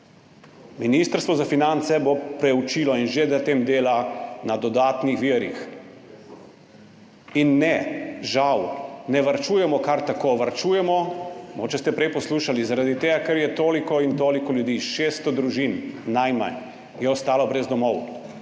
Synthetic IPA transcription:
miniːst̪əɾst̪ʋɔzafinant̪sɛbopɾɛut͡ʃiːlɔinʒed̪at̪emd̪eːlanad̪ɔd̪aːt̪nixʋiəɾix | inːɛʒawnɛʋaɾt͡ʃuːjɛmɔkaɾt̪akoʋaɾt͡ʃuːjɛmɔmɡoːt͡ʃɛst̪ɛpɾɛjpɔsluːʃalizaɾad̪it̪eːɡakɛɾjɛt̪oːlikɔint̪oːlikɔljud̪iːʃeːst̪ɔd̪ɾuʒinnajma̰n | jɛɔst̪aːlɔbɾɛzd̪ɔmɔw

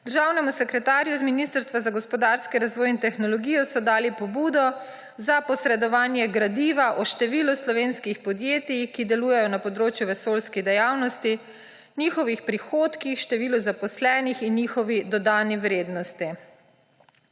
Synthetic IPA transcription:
d̪əɾʒawnɛmusɛkɾɛt̪aːɾjuzminist̪əɾst̪ʋazaɡɔspɔd̪aɾskiɾazʋɔːjint̪ɛxnɔlɔɡiːjɔsɔd̪aːlipɔbuːd̪ɔ | zapɔsɾɛd̪ɔʋaːnjɛɡɾad̪iːʋaʔɔʃt̪ɛʋiːluslɔʋeːnskixpɔd̪jeːt̪ikid̪ɛluːjɛjɔnapɔd̪ɾoːt͡ʃjuʋɛsoːlskid̪ɛjawnɔst̪i | nixɔʋixpɾixoːt̪kixʃt̪ɛʋiːluzapɔslɛːnixinːixɔʋid̪ɔd̪aːniʋɾeːd̪nɔst̪i

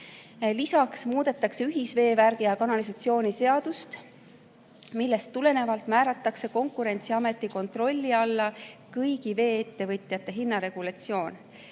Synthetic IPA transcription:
lisɑksmuːd̪̥e̞t̪ːˑɑkseyɦisve̞ːværɡ̥ijɑkɑnɑlisɑt̪sio̞ːnise̞ɑd̪̥ust̪ | milːe̞st̪ːule̞ne̞vɑlt̪mæːɾɑt̪ːˑɑkse̞ko̞ŋkuɾe̞nʲt̪siɑme̞t̪ˑːiko̞nt̪ro̞lʲːiɑlːɑkɯjɡive̞ːet̪ːe̞vɤt̪ˑjɑt̪ːˑe̞ɦinːɑɾe̞ɡ̥ulɑt̪sio̞ːn

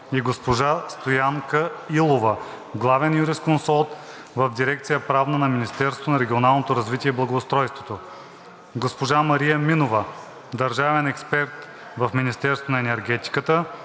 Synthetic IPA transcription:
iɡospoʒast̪ojaŋkəilˠovə | ɡlˠavɛnjuɾiskonsɔlˠt̪ | vɐfd̪iɾɛk̚t̪sijəpɾavnənɐminist̪ɛɾst̪onɐɾɛɡʲionalˠnot̪oɾɐzvit̪iɛiblˠɐɡoːst̪ɾɔjst̪vot̪o | ɡospoʒamɐɾijəminovə | d̪ɐɾʒavɛnɛkspɛɾt̪ | vɐfminist̪ɛɾst̪vonɐɛnɛɾɡʲɛt̪i̥kət̪ə

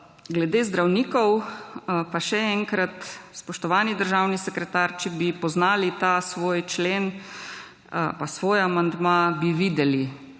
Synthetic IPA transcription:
ɡlɛd̪eːzd̪ɾawniːkɔw | paʃɛɛŋkɾat̪spɔʃt̪ɔʋaːnid̪əɾʒawnisɛkɾɛt̪aːɾt͡ʃɛbipɔznaːlit̪asʋoːjt͡ʃleːn | pasʋoːjamand̪mabiʋiːd̪ɛli

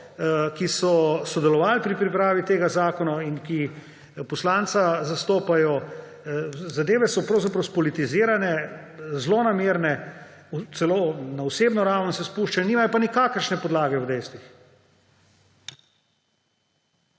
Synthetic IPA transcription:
kisɔsɔd̪ɛlɔʋaːlpɾipɾipɾaːʋit̪eːɡazaːkɔnainki | pɔslaːnt̪sazast̪oːpajɔ | zad̪eːʋɛsɔpɾɐwzapɾɐwspɔlit̪iziːɾanɛ | zlonameːɾnɛ | ut̪sɛlonauseːbnɔɾawnsɛspuʃt͡ʃaniːmajɔpanikaːkəɾʃnɛpɔd̪laːɡɛwd̪ɛjst̪ʋix

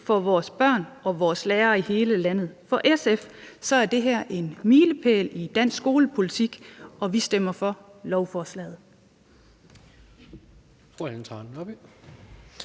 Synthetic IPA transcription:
fɒʋɒːsb̥ɶɐ̰nʔɒ̽ʋɒːsleːɐːihe̝ːləlæn̰ð̩ˠfɒ̽ʔesefsɒ̽æɐd̥e̝ɦæɐ̰ʔe̝nmiːləpʰḛːlid̥æn̰sɡ̥o̝ːləpʰo̝lit͡sʰiɡ̥ɒ̽ʋisd̥em̰ɐfɒ̽lɒʊfɒːslɛ̰ːð̞̩ˠ | fʁoænt͡sʰɑnɒb̥

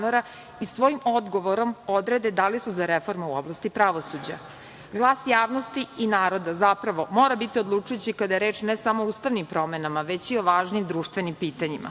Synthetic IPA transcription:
noɾa | isʋo̞jimo̞d̪ɡo̞ʋo̞ɾo̞mo̞d̪ɾe̞d̪e̞d̪alisuzaɾefo̞ɾmeuoblˠast̪ipɾaʋo̞sud͡ʑa̰ | ɡlˠaːsjaːʋno̞st̪iinaːɾo̞d̪azapɾaʋo̞mo̞ːɾabit̪iod̪lˠuːt͡ʃujut͡ɕikad̪ajeɾeːt͡ʃnesamoːuːst̪aʋnimpɾo̞me̞namaʋe̞t͡ɕio̞ʋaːʒnimd̪ɾuːʃt̪ʋe̞nimpiːt̪aɲima̰

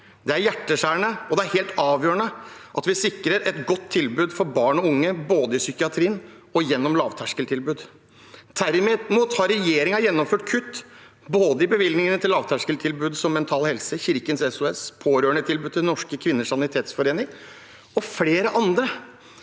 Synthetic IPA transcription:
d̪ɛæɾjæʈːəʂæːɳəɔd̪ɛæɾheːlt̪ʰɑːʋjøːəɳəʔɑt̪ʋɪsɪkɾəɾʔɛt̪ɡɔt̪ʰːɪlbʉːd̪fɔɾbɑːɳɔʊŋːəboːd̪əɪsʏkɪɑt̪ʰɾiːn | ɔjɛnːɔmlɑːʋt̪ʰæʂkəlt̪ʰɪlbʉːd̪ | d̪æɾɪmːmuːt̪hɑɾɛjeːɾɪŋɑjɛnːɔmføːʈkʰʉt̪ː | boːd̪əɪbəʋɪld̪nɪŋənət̪ʰɪlːɑːʋt̪ʰæʂkəlt̪ʰɪlbʉːd̪sɔmːɛnt̪ʰɑːlhɛlsəçɪɾkənsɛsʊɛspʰoːɾøːɳət̪ʰɪlbʉːd̪t̪ʰɪlnɔʂkəkʰʋɪnːəʂɑnɪt̪ʰeːt̪sfɔɾeːnɪŋ | ɔfleːɾəʔɑnd̪ɾə

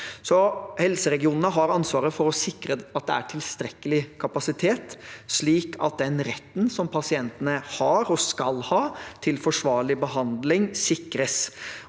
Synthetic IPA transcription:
sɔhɛlsəɾɛɡɪuːnənəɦɑɾɑnsʋɑːɾəfɔɾɔsɪkɾəɑt̪̚d̪ɛæ̰ʈʰɪlst̪ɾɛkːəlɪkʰɑpɑsɪt̪ʰeːt̪ʂɭiːkʰɑ̰t̪̚d̪ɛnɾɛt̪ːənsɔmpʰɑsɪɛnt̪ənəhɑɾɔskɑlhɑːt̪ʰɪlfɔʂʋɑːɭɪbəɦɑnd̪lɪŋsɪkːɾəs

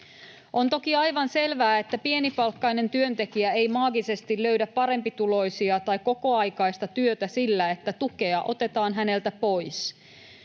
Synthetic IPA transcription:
ʔo̞nt̪o̞kiɑjʋɑnse̞lʋæːet̪ːæpie̞nipɑlkːɑjne̞nt̪yønt̪e̞kiæe̞jmɑːɡise̞st̪illøɥdæpːɑɾe̞mpit̪ulo̞jsiɑt̪ɑikːo̞ko̞ɑjkɑjst̪ɑt̪yøt̪æsilːæe̞t̪ːæt̪uke̞ɑʔo̞̰t̪e̞t̪ɑːnɦæne̞lt̪æpo̞js

